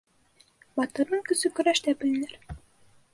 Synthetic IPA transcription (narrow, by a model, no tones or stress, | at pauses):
bɑt̪ɤ̆ɾnɤɴkɵ̆sɵkɵ̆ɾæʃt̪æbɘ̆lɘ̆næɾ